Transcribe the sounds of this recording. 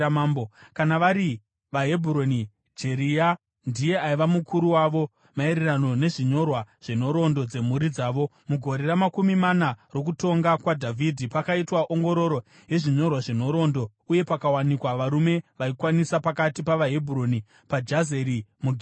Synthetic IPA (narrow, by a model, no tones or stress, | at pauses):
maːmbokanaʋaɾi | ʋaɦe̞bʱuɾoni | d͡ʒe̞ɾia | ndije̞aiʋamukuɾuwaʋo̞ | maeɾerano̞ne̞ʐiɲo̞rwaʐ̥en̤o̞ɾo̞ndo̞d͡ze̞muɾid͡zaːʋo̞ | muɡʱo̞ɾeɾamakumimanaro̞k̬uto̞ŋɡakwadʱavʱidʱipakaitwaʔoŋɡo̞ɾo̞ɾo̞ | je̞ʐiɲo̞rwaʐeno̞ɾo̞ndo̞ | uje̞pakawanikwaʋaɾume̞ʋaikwanisapakatipaʋaɦe̞bʱuɾo̞ni | pad͡ʒaze̞ɾimuɡʱ